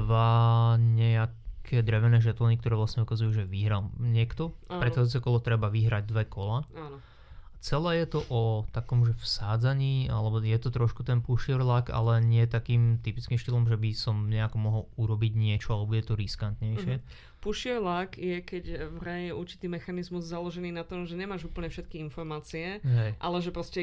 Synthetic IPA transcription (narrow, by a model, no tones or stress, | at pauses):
ʋaɲɛakʰɛːd̪ɾɛʋɛnɛːʒɛt̪lɔnik̚t̪ɔɾɛːʋlast̪ɲɛukazujuːʒɛʋiɦɾalɲɪɛkt̪ɔpɾɛt̪xaut͡sɛkɔlɔt̪ɾɛbaʋiɦɾaɟ̚d̪ʋɛkɔlaan | at͡sɛlɛːjɛt̪ɔʔɔt̪akɔmʒɛfsaːd͡zaɲiːalɛbɔjɛt̪ɔt̪ɾɔʃkut̪ɛnpuʃɪɛɾlaka̰lɛɲɪɛt̪akiːmt̪ipit͡skimʃt̪ilɔmʒɛbisɔmɲɛakɔmɔɦɔluɾɔbiɟɲɪɛt͡ʃɔalɛbuɟɛt̪ɔɾiskant̪ɲɛjʃɪɛ | puʃiɛɾlakjɛkɛɟʋɾɛjɛʔuɾt͡ʃi̥t̪iːmɛxanizmuzzalɔʒɛniːnat̪ɔmʒɛɲɛmaːʒupl̩ɲɛfʃɛt̪kiinfɔɾmaːt͡siɛɦɛjʔalɛʒɛpɾɔscɛ